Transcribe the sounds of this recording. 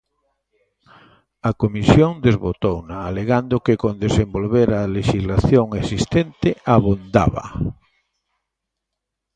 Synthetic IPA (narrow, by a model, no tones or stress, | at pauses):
akomisjoŋd̪ezβot̪ownaːleɣand̪okekõnd̪esembolβeɾaleʃizlaθjoŋesist̪ent̪ɪaβund̪a̰βa̰